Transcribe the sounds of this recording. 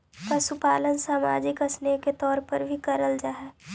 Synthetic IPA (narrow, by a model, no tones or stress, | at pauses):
kasʊpaːlənsaːma̰ːd͡ʒɪkəsneket̪ɔːɾpəɾbʱikəɾəld͡ʒaːɦɛː